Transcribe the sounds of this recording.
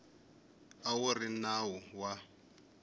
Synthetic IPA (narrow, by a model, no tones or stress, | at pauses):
awurinawuwa